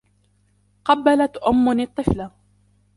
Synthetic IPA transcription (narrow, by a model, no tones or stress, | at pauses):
qɑbːalat̪ʔʊmːʊnɪt̪ˤːɨfla